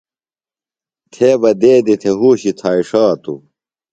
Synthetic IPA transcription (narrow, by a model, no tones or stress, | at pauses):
t̪ʰeːbɐd̪eːd̪it̪ʰeɦuːɕit̪ʰaːiʂaːt̪ṵ